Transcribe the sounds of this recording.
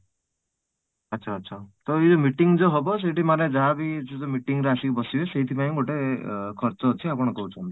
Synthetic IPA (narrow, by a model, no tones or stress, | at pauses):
ʌtːsʰaːt̪ːsʰat̪ɔid͡ʒomiʈiŋd͡ʒɔɦɔbɔseʈimaɾed͡ʒaɦabid͡ʒed͡ʒomiʈiŋɾeasikbɔsibeseɦit̪ʰipajõɡoʈekʰɔɾt͡ʃɔt͡ʃʰiapɔɽ̃ɔkɔɦut͡ʃʰɔnt̪i̥